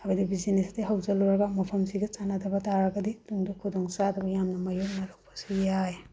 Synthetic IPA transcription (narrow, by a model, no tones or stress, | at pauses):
ɐɡɐdibizinestiɦawzaluɾɐɡamɐpʰɐmsiɡɐt͡ʃanadʰɐbɐtaɾaɡɐdiduŋdukʰudɔŋsadɐbɐjamnɐmɐjuk̚naɾak̚pʰḁsijaj